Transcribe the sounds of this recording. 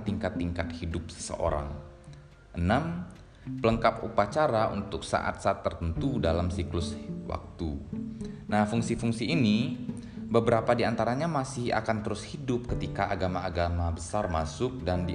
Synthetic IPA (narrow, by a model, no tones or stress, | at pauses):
t̪iŋkat̪ːiŋkat̪̚hidʊp̚sə̥sə̰ʔo̰ɾa̰ŋ | ʔənam | pələŋkapṵpat͡ʃaɾaʔṵnt̪ʊksa̰ʔa̰t̪̚saat̪ːərt̪ənt̪udalamsiklʊswʔa̰k̚t̪u | nahfuŋsifuŋsiːni | bəbəɾapadiant̪aɾaɲamasɪha̰kant̪əɾʊshidʊp̚kət̪ikaʔaɡamaːɡamabəsarmasʊk̚dandi